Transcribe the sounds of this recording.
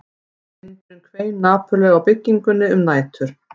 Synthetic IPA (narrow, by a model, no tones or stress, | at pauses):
ɪnt̪ɪmkʰveːjnaːpʏlœːɣawpɪcːiŋkʏnːɪʏmnaːjt̪ʰʏɾ̥